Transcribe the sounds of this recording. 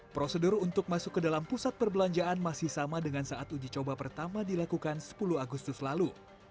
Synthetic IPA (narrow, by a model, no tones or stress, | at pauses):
pɾosədurunt̪ʊk̚masʊkːədalampusat̪̚pərbəlaɲd͡ʒaʔːnmasɪhsamadəŋansaʔat̪ud͡ʒit͡ʃobapərt̪amadilakukansə̥puluaɡust̪ʊslalu